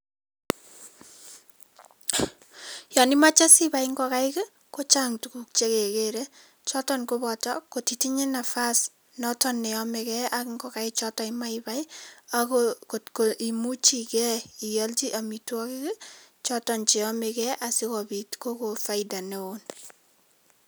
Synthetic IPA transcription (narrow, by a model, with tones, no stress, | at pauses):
jɔ˨ni˦ma˦t͡ʃa˦si˦ba˨ŋɡɔ˦ka˦ɪ˦ki˦ | ko˦t͡ʃa˦ŋtu˨ku˦k̚t͡ʃe˦ke˨keɾe˦ | t͡ʃɔ˦tɔ˦nko˦bɔ˨tɔ̰ko˨ti˨ti˦ɲe˦na˨fa˦s | nɔ˦tɔ˦nːe˨ɔ˦me˨kɛ˦a˦kŋɡɔ˨ka˦ɪt͡ʃɔtɔ˨ima˦iba˦jakkoʔi˨mu˦t͡ʃi˦kɛ˦i˨ja˦lt͡ʃi˦ʔa˨mitwɔ˦ki˦ki˦t͡ʃɔ˦tɔ˨nt͡ʃe˨ɔ˦me˨kɛ˦ʔa˨si˦kɔ˨bi˨tko˦ko˨fa˦ida˨neo˦n